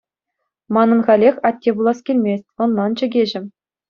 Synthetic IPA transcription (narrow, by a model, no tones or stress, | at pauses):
mɑnɤ̆nχɑlʲexʲɑt̚ʲːebulˠɑskʲelʲmʲesʲtʲɤ̆nːɑnt͡ɕɘ̆ɡʲeʑɘ̆